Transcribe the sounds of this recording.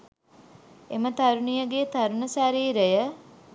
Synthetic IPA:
emət̪aɾunijəɡet̪aɾunəsaɾiːɾəjə

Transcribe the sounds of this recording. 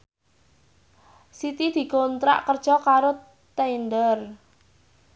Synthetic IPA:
sit̪id̪̥i̤kont̪ɾa̰ʔkərd̥ʒ̥ɔkaɾo | t̪eind̪ər

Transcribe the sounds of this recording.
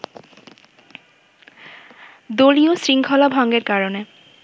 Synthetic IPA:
d̪oliosɾiŋkʰɔlabʱɔŋɡeɾkaɾone

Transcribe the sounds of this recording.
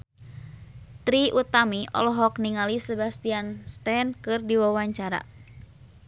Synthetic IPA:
t̪ɾiʔut̪amiʔɔ̰lɔɦɔk̚niŋalisəbast̪ianst̪ɛnkɨrdiwawaɲt͡ʃaɾa̰

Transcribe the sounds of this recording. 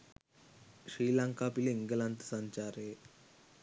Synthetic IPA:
ɕɾiːlãŋkapiliŋɡəlãnt̪əsaɲt͡ɕaɾe

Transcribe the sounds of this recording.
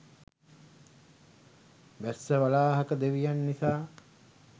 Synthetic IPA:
ʋæsːəʋalaːɦakəd̪eʋijanːisaː

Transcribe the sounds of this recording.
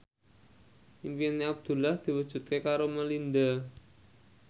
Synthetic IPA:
ʔimpianiab̚d̪̥ṳlahd̪̥i̤wəd̥ʒ̥ṳt̪̚kekaɾoməlind̪a

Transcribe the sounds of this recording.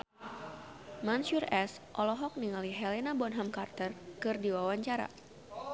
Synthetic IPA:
manʃurɛsʔɔlɔɦɔk̚niŋaliɦɛlenabɔnɦamkart̪ərkɨrdiwawaɲt͡ʃaɾa̰

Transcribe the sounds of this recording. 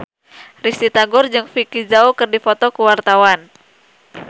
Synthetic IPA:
rist̪it̪aɡʊrd͡ʒɨŋfikizaukɨrdifɔt̪ɔkuwart̪awan

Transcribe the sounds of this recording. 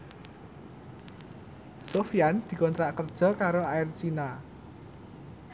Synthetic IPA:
sofiand̪̥i̤kɔnt̪ɾaʔkərd̥ʒ̥ɔ̤kaɾoaɪrt͡ʃina

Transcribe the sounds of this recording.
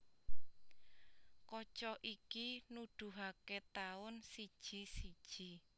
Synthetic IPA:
kɔt͡ʃɔʔikinuɖ̪̥ṳɦaket̪aʊnsid̥ʒ̥i̤sid̥ʒ̥i

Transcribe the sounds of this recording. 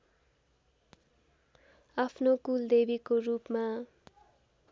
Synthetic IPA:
apʰnokuld̪ebikorupma

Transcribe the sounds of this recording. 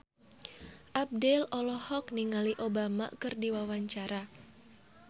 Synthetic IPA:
ʔab̚dɛlɔlɔhɔkniŋaliʔobama̰kɨrdiwawaɲt͡ʃaɾa

